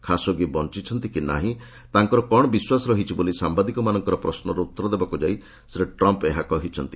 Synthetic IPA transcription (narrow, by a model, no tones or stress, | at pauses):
kʰasɔɡibɔnt͡ʃit͡ʃʰɔnt̪ikina̰ɦĩ | t̪aŋkɔɾɔkɔɽ̃ɔbiswasɔɾɔɦit͡ʃʰibolisambad̪ikɔmanɔŋkɔɾɔpɾɔsnɔɾut̪ːɔɾɔd̪ebakud͡ʒaij | sɾeʈɾɔmpeɦakɔɦit͡ʃʰɔnt̪i